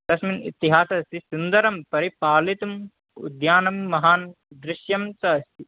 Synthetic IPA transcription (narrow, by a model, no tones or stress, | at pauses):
d̪̥ɐsminḭt̪iɦaːsɐst̪isund̪ɐɾɐmpɐɾipaːlit̪um | ṵd̪jaːnɐmːɐɦaːn | d̪ɾɪʃjɐmt͡ʃɐɐst̪ʰi